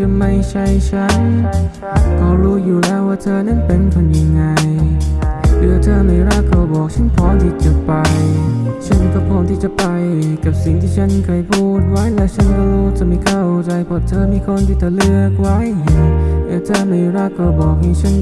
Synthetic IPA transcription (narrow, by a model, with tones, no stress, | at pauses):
t͡ɕa˧˩ma˧˥˩jt͡ɕʰa˧˩jt͡ɕʰa˦˥n | kɔː˧˩ɾuː˦˥juː˨˩lɛː˧˥waː˧˩t̪ʰɤː˧˩na˧˥˨npe˧nkʰɔ˧nja˧ŋːa˧j | kɯ˧˩t̪ʰɤː˧ma˧˩jɾaː˧˥˩kʰːɔː˧˩bɔː˨˩k̚t͡ɕʰa˥˨npʰɔː˦˥nt̪ʰiː˧˩t͡ɕo˨˩t̚pa˧jt͡ɕʰa˥˩˨nkʰɔː˧˩pʰɔː˧˩nt̪ʰiː˧˩t͡ɕa˨˩pa˧jka˨˩p̚si˨˩ŋt̪ʰiː˥˩t͡ɕʰa˦˥˨nkʰaː˧˩jpʰuː˧˩t̪̚wa˦˥˨jlɛː˧˥wt͡ɕʰa˧˥˨nka˧luː˧˩t̪̚t͡ɕa˨˧˩ma˧˩jkʰaː˧˩ʔwo˧t͡ɕa˧jpʰɔ˧˥t̪ʰɤː˧miː˧˥˩kʰo˧˥˨nt̪ʰiː˧˩t͡ɕa˨˧˩lɯ˧ək̚wa˦˥˨j | kɯː˧˩t̪ʰaː˧˩ma˧˩jɾaː˧˩kːɔː˧˩bɔː˨˩k̚na˧˩t͡ɕʰa˧˥˨n